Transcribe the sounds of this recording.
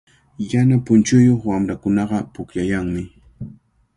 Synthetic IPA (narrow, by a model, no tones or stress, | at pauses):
janapʊnt͡ʃʊjoχwamɾakʊnɑɢɑpʊkʎajaŋmɪ